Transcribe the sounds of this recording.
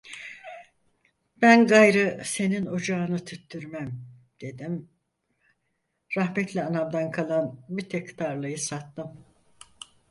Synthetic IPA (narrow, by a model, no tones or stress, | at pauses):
b̥ænɡajɾɯse̞nino̞d͡ʒaɯnɯt̪ʰyt̪ːyɾmæm | d̪̥e̞d̪im | ɾaɦmɛt̪ʰlʲɛanamd̪ankʰalˠanmit̪ʰɛkʰt̪ʰaɾlˠɯjɯsat̪ːɯm